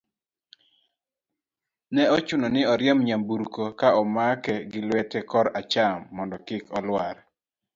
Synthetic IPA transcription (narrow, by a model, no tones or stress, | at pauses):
nɛɔt͡ʃunɔnɪɔɾjɛmɲambuɾukokaɔmakɛɡɪlwɛtɛkɔɾat͡ʃamːɔndɔkɪkɔlwaɾ